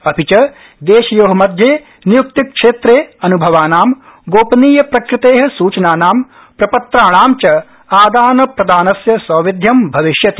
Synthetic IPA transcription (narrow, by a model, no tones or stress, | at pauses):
ɐpit͡ʃɐ | d̪eːʃɐjoːɦɐmɐd̪ʱjeː | nijuk̚t̪ikʂeːt̪ɾeːɐnubʱɐʋaːnaːm | ɡoːpɐniːjɐpɾɐkɾɪt̪eːɦɐ̆suːt͡ʃɐnaːnaːm | pɾɐpɐt̪ɾaːɳ̃aːmt͡ʃɐ | aːd̪aːnɐpɾɐd̪aːnɐsjɐsɐːʋid̪ʱjɐmbʱɐʋiʃjɐt̪i̥